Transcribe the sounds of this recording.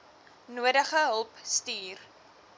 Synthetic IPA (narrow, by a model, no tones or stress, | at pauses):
nuədəχəɦəlˠpstiːr